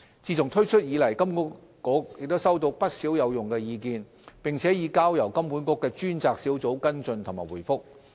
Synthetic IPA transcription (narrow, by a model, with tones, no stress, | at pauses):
t͡siː˧t͡sʊ˨ŋt̪ʰɵ˥ɥt͡ʃʰɵ˥t̚jiː˨˧lɐ˨˩jkɐ˥mkɔ˥ | kɔː˨˥k̚jɪ˨k̚t̪wsɐ˥wt̪o˧wpɐ˥t̚siː˨˥wjɐ˨˧wjʊ˨ŋkɛː˧jiː˨˧kiː˧n | pɪ˨˩ŋt͡sʰɛː˨˥jiː˨˧kaː˥wjɐ˨˩wkɐ˥mpuː˨˥nkɔː˧˥kːɛː˧t͡ʃyː˥nt͡saː˧k̚si˨˥wt͡so˨˥wkɐ˥nt͡sɵ˧nt̪ʰŋmaː˨˩wuː˨˩jfʊ˥k̚